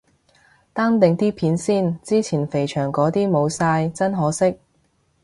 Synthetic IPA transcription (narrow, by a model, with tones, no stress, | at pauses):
t̪aː˥ŋt̪ɪ˨ŋt̪iː˥pʰiː˨˥nsiː˥˩nt͡siː˥t͡sʰiː˨˩nfe˨˩jt͡ʃʰœː˨˩ŋkɔː˨˥t̪iː˥mo˨˧wsaː˧jt͡sɐ˥nɦɔː˨˥sɪ˥k̚